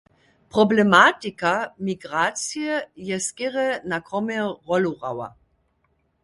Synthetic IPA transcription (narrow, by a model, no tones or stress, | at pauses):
pʁɔblɛmatikamiɡʁaːt͡sjɛjɛskɛʁɛnakʁɔmɛʁɔluʁa̰wa̰